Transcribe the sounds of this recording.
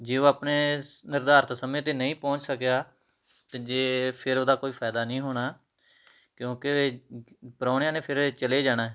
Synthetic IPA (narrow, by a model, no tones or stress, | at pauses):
d͡ʒeːoːaːpneːnɪɾd̪aːɾt̪səmẽːt̪eːnəĩːpɔ̃ːt͡ʃsəkjaː | t̪eːd͡ʒeːpʰɪɾoːd̪aːkoːiːpʰaːd̪aːnəĩːɦoːɽ̃aː | kjõːke | pəɾaːɽɪjãːnẽːpʰɪɾt͡ʃəleːd͡ʒaːɽ̃aːɦɛ